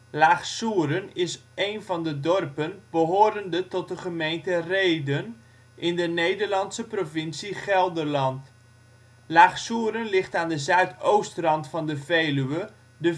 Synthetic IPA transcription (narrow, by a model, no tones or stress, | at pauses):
laːχsuːɾənɪsʔejnvɑndədɔrpənbəɦoːɾəndətɔt̚dəχəmejntərejdən | ʔɪndənejdərlɑntsəprovɪnsiχɛlˠdərlɑnt | laːχsuəɾənlɪχtaːndəzœɥtowstrɑntfɑndəvejlyə | də